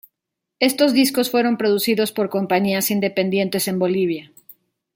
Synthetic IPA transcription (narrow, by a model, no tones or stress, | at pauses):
e̞st̪o̞zðisko̞sfwe̞ɾo̞mpɾo̞ðusiðo̞spo̞ɾko̞mpaɲiasind̪e̞pe̞nd̪je̞nt̪e̞se̞mbo̞liβ̞ja